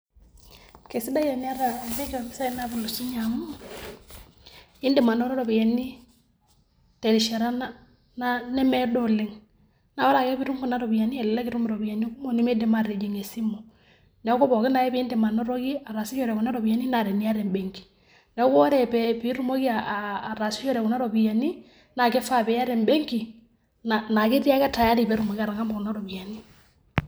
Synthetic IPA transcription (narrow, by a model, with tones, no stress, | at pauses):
ke˨si˦da˦jɛ˨n˦a˦ɾa˨lɛ˦kɛ˨a˨mɪ˦sa˦i˦na˦bi˨lu˨su˦ɲa˨mu˦˨ | ɪ˦ndɛ˨ma˨nɔ˦ɾɔ˦ɾɔ˨bi˨jɛ˨ni˦ | tɛ˨ɾi˨ʃɛ˨ɾa˦na˦ | na˦nɛ˦mɛ˦dɔ˦lɪ˨ŋ | na˨˦ɔ˦ɾa˨kɛ˦bi˦ɾu˦ŋku˨na˦ɾɔ˨bi˨ja˨ni˦ɛ˨lɪ˨la˦kɪ˨ɾu˦m˨ɾɔ˨bi˨jɛ˨ni˦ku˦mo˦˨ni˦me˦de˨ma˦˨re˨d͡ʒe˨ŋe˨si˦mo˨ | na˨˦kɔ˦bɔ˨kɪ˦na˨ɛ˦be˨˦nde˨ma˨nɔ˦ɾɔ˦ki˦a˨ɾa˨si˦t͡ʃɔ˦ɾɛ˨ku˨na˦ɾɔ˨bi˨a˨ni˦na˨ɾɛ˨ni˦a˦ɾɛ˨mbe˨ŋki̥˨ | na˨˦kɔ˦ɾɛ˨pɛ˨pi˦ɾu˦mo˦ki˦a˨ɾa˨si˦jɔ˦ɾɛ˨ku˨na˦ɾɔ˨bi˨ja˨ni˦ | na˨kɛ˦fa˦˨bɛ˨˦a˦ɾɛ˨mbe˦ŋki˨ | na˨na˨ki˦ɾi˦a˦ka˦ta˨ja˦ɾi˨bɛ˦ɾu˦mo˨ki˦a˦ɾa˨ŋa˦mbɔ˨ku˨na˦ɾɔ˨bi˨a˨ni˦